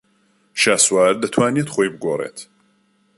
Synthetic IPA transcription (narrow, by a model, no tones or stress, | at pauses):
ʃaːswaːɾd̪ɐt̪ʰwaːniet̪χojbɨɡorḛːt̪ʰ